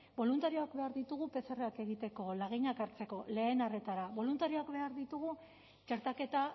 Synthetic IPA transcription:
bo̞lunt̪aɾioakbe̞aɾðit̪uɣupe̞sereake̞ɣ̞it̪e̞ko̞laɣ̞iɲakaɾt͡se̞ko̞le̞ːnare̞t̪aɾaβo̞lunt̪aɾioakbe̞aɾðit̪uɣ̞u | t͡ʃe̞ɾt̪ake̞t̪a

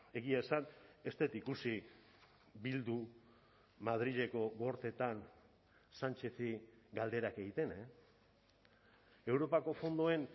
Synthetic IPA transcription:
e̞ɣiaesane̞st̪e̞t̪ikusi | bild̪u | mað̞ɾiʎe̞ko̞ɣoɾt̪e̞t̪an | sant͡ʃe̞θiɡald̪e̞ɾake̞ɣit̪e̞ne | e̞wɾo̞pako̞fo̞nd̪oe̞n

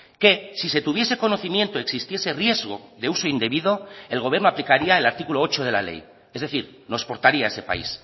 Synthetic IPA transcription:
ke̞sise̞t̪uβ̞je̞se̞ko̞noθimje̞nt̪oeksist̪je̞se̞rje̞zɣo̞ðe̞uso̞ind̪e̞βiðo̞elɣ̞o̞β̞jeɾnoaplikaɾiaelaɾt̪ikuloo̞t͡ʃo̞ð̞e̞la̰le̞̰j | ezðe̞θiɾ | noespo̞ɾt̪aɾiae̞se̞pa̰ḭs

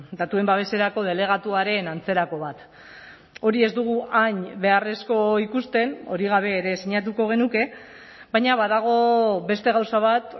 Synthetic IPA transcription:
d̪at̪ue̞mbaβ̞e̞se̞ɾako̞ð̞e̞le̞ɣ̞at̪uaɾe̞nant͡se̞ɾako̞β̞at̪ | o̞ɾie̞zd̪uɣ̞uʔaɲbe̞are̞sko̞ikust̪e̞no̞ɾiɣ̞aβ̞e̞ːɾe̞siɲat̪̬uko̞ɣ̞e̞nuke̞ | βajɲaβaðaɣ̞o̞βe̞st̪e̞ɣawsaβat̪

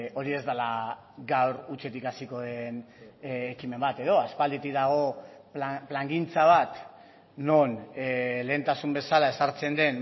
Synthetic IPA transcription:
o̞ɾie̞zd̪ala | ɡawɾut͡ʃe̞t̪ikasiko̞ðe̞nː | kime̞mbat̪e̞ðo̞aspald̪et̪ik̚d̪aɣ̞o̞ | plaŋɡint͡saβ̞at̪ | nonle̞ːnt̪asumbe̞salae̞saɾt͡se̞nd̪e̞n

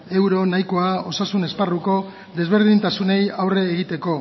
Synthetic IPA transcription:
e̞wɾo̞najko̞ao̞sasune̞sparuko̞ | d̪e̞zβ̞e̞ɾðint̪asune̞jawre̞ːɣit̪e̞ko̞

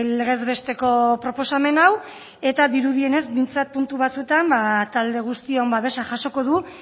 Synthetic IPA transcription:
le̞ɣe̞zβe̞st̪e̞ko̞pɾo̞po̞same̞naw | e̞t̪aðiɾuðie̞ne̞zmijnt͡sat̪̚punt̪uβ̞at͡suet̪ambat̪ald̪e̞ɣ̞ust̪iombaβe̞saʝaso̞ko̞ð̞u

